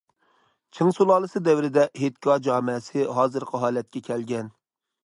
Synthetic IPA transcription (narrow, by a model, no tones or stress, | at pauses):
t͡ʃʰɨŋsulˠɑːlˠɨsɨd̪ɛwɾɪd̪ɛɦet̪kʲɑd͡ʒɑːmɪsɪɦɑːzɨɾqʰəɦɑːlɛt̪̚kʲɛkʲʰɛlɡʲɛn